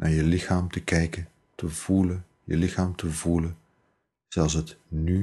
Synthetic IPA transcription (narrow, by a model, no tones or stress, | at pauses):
nʔa̰ːɹjəlɪχaːmtəkɛjkə | təvulə | jə̰lɪχaːmtʰəvulən | z̥ɛlˠsətny